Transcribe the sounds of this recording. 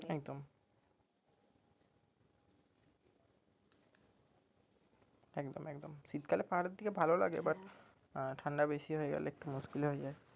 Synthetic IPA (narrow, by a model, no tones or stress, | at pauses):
ɛkd̪om | ɛkd̪omɛkd̪omsit̪kʰalepaɾed̪ʱikebʱalola̰ɡebaɾ | ʈʰaɳɖabesiɦoeɡɛ̰leek̚ʈumuskilɦoed͡ʑae